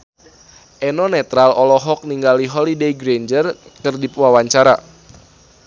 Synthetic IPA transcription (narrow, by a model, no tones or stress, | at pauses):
ʔɛnɔnɛt̪ɾalʔɔlɔɦɔk̚niŋɡaliɦɔlidejɡɾend͡ʒərkərdipwawaɲt͡ʃaɾa̰